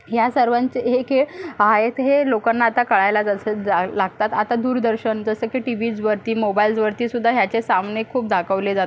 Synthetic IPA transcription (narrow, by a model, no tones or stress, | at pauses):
ɦjasəɾʋaɲt͡ɕeekʰeɭɦajet̪ɦelokanːaːt̪akəɭajlad͡zəsəd͡zalaɡt̪at̪at̪ad̪uːɾd̪əɾɕənd͡zəsəkeʈiʋid͡zʋəɾt̪iːmobaild͡zʋəɾt̪iːsud̪ʱːaɦjat͡sesamnekʰːuːp̚d̪ʱakʰəʋled͡zat̪